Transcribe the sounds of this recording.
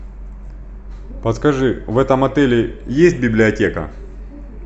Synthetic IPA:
pɐt̪skɐʐɨvɛt̪ɐmɐt̪ɛlʲɪjesʲt̚ʲbʲɪblʲɪɐtʲekə̰

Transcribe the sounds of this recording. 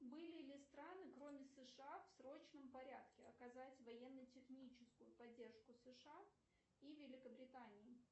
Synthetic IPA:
bɨlʲɪlʲɪst̪ɾanɨkɾo̞mʲɪsɨʂɨafsɾot͡ɕnəmpɐɾʲat̪kʲɪɐkɐzatʲvɐjɛnːətʲɪxnʲit͡ɕɪskʊjʊpɐdʲːe̞rʂkʊsɨʂɨa | ivʲɪlʲɪkəbɾʲɪt̪anʲɪː

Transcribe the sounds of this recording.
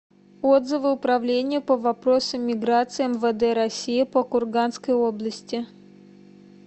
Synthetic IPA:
od̪zɨvɨʊpɾɐvlʲenʲɪjəpəvɐpɾo̞səmːʲɪɡɾat̪sɨɛmvəd̪ɛɾɐsʲijɪpəkʊrɡanskəjoblˠəsʲtʲɪ

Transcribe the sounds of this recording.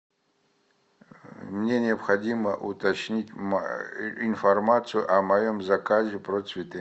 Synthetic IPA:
mnʲenʲeɐpxɐdʲimɐʔṵt̪ɐt͡ʃnʲitʲm | infɐrmat̪t͡sʰɨjuʔɐmɐjomzɐkazʲeprosvʲit̪ʰe

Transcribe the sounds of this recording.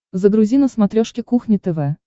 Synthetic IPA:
zəɡɾʊzʲinəsmat̪ɾʲoʂkʲɪkuxnʲɪt̪ɛvɛ

